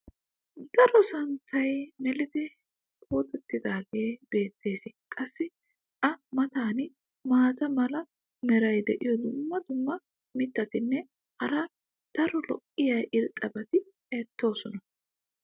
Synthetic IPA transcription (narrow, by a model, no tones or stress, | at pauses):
d̪ɐɾɔsɐnt̪ːɐjmɛlɪd̪ɪ | kʼoːt̪ʼɛt̪ːɪd̪aːɡe̞ːbe̞ːt̪ːe̞ːsɪkʼɐsːɪ | ʔɐmɐt̪aːnɪ | maːt̪ɐmɐlɐ | mɛɾɐjd̪ɛʔɪjɔd̪ʊmːɐd̪ʊmːɐ | mɪt̪ːɐt̪ɪnːɛ | hɐɾɐ | d̪̥ɐɾɔlɔ̰ʔʼɪjɐjʔɪɾt̪ʼːɐbɐt̪ɪ | et̪ːo̞ːsɔnɐ